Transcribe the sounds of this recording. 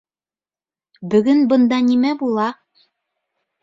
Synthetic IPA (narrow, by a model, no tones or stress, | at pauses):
bɵ̆ɡɵnbɤ̆nd̪ɑnimæbulˠɑ